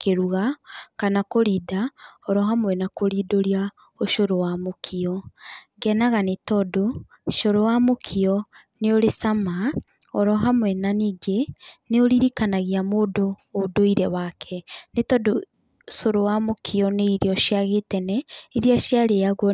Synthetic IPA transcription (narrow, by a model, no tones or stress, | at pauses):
keɾuɣakanakoɾidaɔɾɔɦamwɛnakoɾidoɾia | oʃoɾowamokʰiɔɡɛnaɣanetɔdo | ʃoɾowamokʰiɔ | neoɾesama | ɔɾɔɦamwɛnaniːɡeneoɾiɾikanaɣiamoːdoːdoiɾɛwakʰɛnetɔdo | soɾowamokʰiɔneiɾeɔʃiaɣetɛnɛiɾiaʃjaɾeaɣw